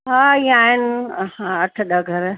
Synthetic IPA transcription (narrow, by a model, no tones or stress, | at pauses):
ɦãːiːãaːɦɪnɪhãːɐʈʰɗəɡʱɐɾ